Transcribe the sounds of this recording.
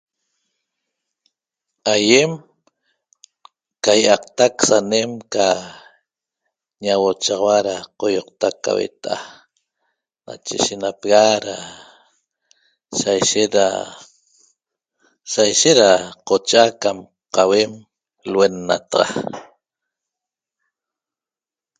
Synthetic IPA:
ajem | kajʔɑqt̪aksanemka | ɲawot͡ʃaʁɑwaɾaqojoqt̪akːa̰wḛt̪aʔa | na̰t͡ʃḛʃenapeɣaɾa | sajʃet̪ɾa̰ | sajʃet̪ɾaqot͡ʃakam | qɑwem | lwenːa̰t̪ɑʁɑ

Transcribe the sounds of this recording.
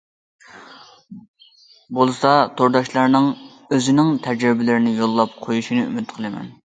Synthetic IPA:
bolˠɨsɑt̪ʰoɾd̪ɑʃlˠɑɾnɨŋ | øzɪnɪŋt̪ʰæd͡ʒɾɪbɪlɪɾɪnɪjolˠːɑp̚qʰojuʃinɨy̰mɪt̪qʰəlˠɨmɛ̰n

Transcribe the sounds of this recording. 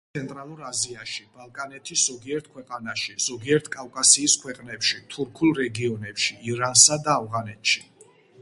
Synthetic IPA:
sɛnt̪ʼɾalˠuɾaziaʃib̥alˠkʼanɛt̪ʰiszɔɡiɛɾt̪̚ʰkʰwɛqʼanaʃiz̥ɔɡiɛɾt̪ʰkʼakʼasiːskʰwɛqʼnɛpʃit̪ʰuɾkʰulˠɾɛɡiɔnɛpʃiːɾansad̪aːvʁanɛt̪ʰʃi

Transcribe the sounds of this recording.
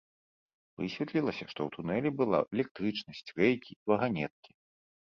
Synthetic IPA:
vɨ̰sʲvʲɛt̪lʲilˠɐsʲɐʂt̪ɔ̰wt̪ʰunɛlʲɛbɨlˠa̰ʔɛlʲɛk̚t̪ɾɨt͡ʂnɐsʲt͡sʲrɛjkʲivɐɣanʲɛt̪̚kʲi̥

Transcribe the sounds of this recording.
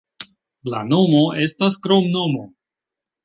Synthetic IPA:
la̰nomoʔe̞staskɾomnomo

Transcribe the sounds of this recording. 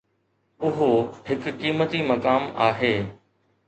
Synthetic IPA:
ʊɦoɦɪkkiːmət̪imɐkaːma̰ːɦeː

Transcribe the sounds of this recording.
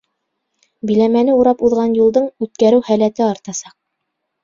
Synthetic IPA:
bĭlæmænɘuɾɑpuðʁɑnjulˠd̪ɤɴʉt̪̚kæɾɘwhælæt̪ɘɑɾt̪ɑsɑq̚

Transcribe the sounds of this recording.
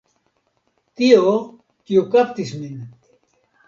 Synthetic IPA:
t̪io | kiukapt̪ismin

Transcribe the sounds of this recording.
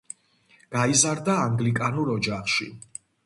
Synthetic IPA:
ɡ̥aizaɾd̪aːŋɡlikʼanuɾɔd͡ʒaχʃḭ

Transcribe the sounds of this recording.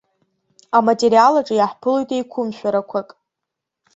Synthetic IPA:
amatʼeɾialaʈ͡ʂʼɨjaħpʰɨlojtʼejkʷʰʊmʃᶣaɾakʷʰakʼ

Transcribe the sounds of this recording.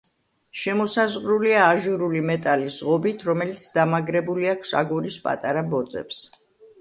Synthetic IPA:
ʃɛmɔsazʁɾuliaːʒuɾulimɛt̪ʼaliz̥ʁɔbit̪ʰɾɔmɛlit̪sʰd̪amaɡɾɛbuliakʰsa̰ɡuɾispʼa̰t̪ʼaɾabɔd̪zɛ̰ps

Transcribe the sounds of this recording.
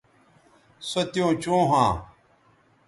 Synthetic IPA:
sot̪ijõːt͡ɕõːɦãː

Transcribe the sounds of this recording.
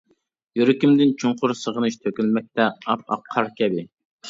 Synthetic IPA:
jøɾɪkʲimd̪ɪnt͡ʃʰuɴqʊɾsəʁənɨʃt̪ʰøkʲylmɛk̚ʲt̪ɛɑ̰p̚ɑ̰qʰːɑɾkʲʰɛbɪ

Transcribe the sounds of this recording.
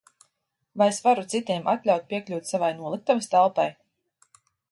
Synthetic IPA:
vajesvaɾut̪sit̪ʲiɛmʔat̪lʲawt̪̚pʲiɛklʲuːt̪savajnuɔlˠɨk̚t̪avast̪alˠpaj

